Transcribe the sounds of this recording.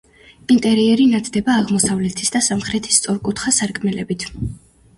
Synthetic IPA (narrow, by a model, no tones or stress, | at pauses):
int̪ʼɛɾiɛɾinat̪ʰd̪ɛbaːʁmɔsavlɛt̪ʰi̥sd̪asamχɾɛt̪ʰi̥st̪sʼɔɾkʼut̪ʰχasaɾkʰʼmɛlɛbit̪ʰ